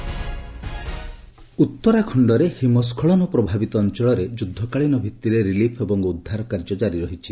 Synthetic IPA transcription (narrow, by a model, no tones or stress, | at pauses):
ut̪ːɔɾakʰɔɳɖɔɾehimɔskʰɔɭɔnɔpɾɔbʱabit̪ɔːnt͡ʃɔɭɔɾed͡ʒud̪ʱːɔkaɭinɔbʱit̪ːiɾeɾilipʰebɔŋud̪ʱːaɾɔkaɾd͡ʒɔd͡ʒaɾiɾɔɦit͡ʃʰi